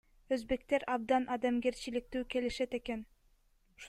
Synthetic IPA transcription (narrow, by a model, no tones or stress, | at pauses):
øzbe̞k̚t̪e̞ɾɑb̚d̪ɑnʔɑd̪ɑmɡe̞ɾt͡ʃilik̚t̪yːke̞liʃet̪e̞ke̞n | ʃ